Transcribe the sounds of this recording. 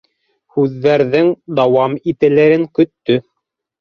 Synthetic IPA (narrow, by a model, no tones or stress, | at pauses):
hʉðːæɾðɘŋd̪ɑwɑmit̪ɘ̆lɘɾɘŋkɵ̆t̪ːɵ